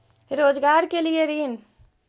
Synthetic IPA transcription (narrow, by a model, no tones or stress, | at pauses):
ɾod͡ʒɡaɾkelieɾin